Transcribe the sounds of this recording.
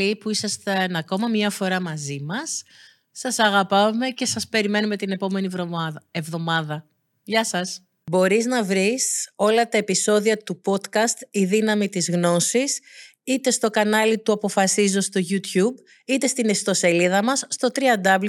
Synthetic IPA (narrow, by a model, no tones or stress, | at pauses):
ipuisɐst̪enɐko̞mɐmɲɐfo̞ɾɐmɐzimɐsː | ɐsɐɣɐpɐme̞ce̞sɐspe̞ɾime̞nume̞t̪ine̞po̞me̞nievðo̞mɐðɐ | ʝɐsɐs | bo̞ɾiznɐvɾiso̞lɐt̪ɐe̞piso̞ðiɐt̪upo̞t̪kɐst̪iðinɐmit̪izɣno̞sis | it̪e̞st̪o̞kɐnɐlit̪uɐpo̞fɐsizo̞st̪o̞ʝut̪çub | it̪e̞st̪inest̪o̞se̞liðɐmɐsːt̪o̞t̪ɾiɐnd̪ɐbl